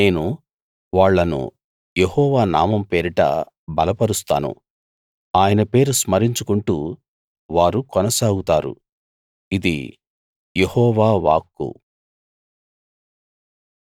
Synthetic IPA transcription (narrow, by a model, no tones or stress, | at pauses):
ne̞ːnu | ʋaːɭːɐnṵ | jehɔːʋaːnaːmɐmpe̞ːɾiʈɐ̰ | bɐlɐpɐɾust̪a̰ːnṵ | aːjɐnɐpe̞ːɾusmɐɾiɲt͡ʃukuɳʈuː | ʋaːɾukɔnɐsaːɡut̪aːɾṵ | id̪ḭ | jehɔːʋaːʋa̰ːkːṵ